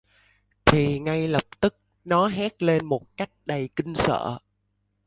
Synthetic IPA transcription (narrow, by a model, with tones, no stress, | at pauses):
t̪ʰi˨˩ŋa˧jlə˨˩p̚t̪ɨ˦˥k̚ | nɔ˨˦ɦɛ˦˥t̚le˧nmo˨˩t̚ka˦˥jk̟̚ɗə˨˩jkï˧ŋ̟sə̰ː˧˨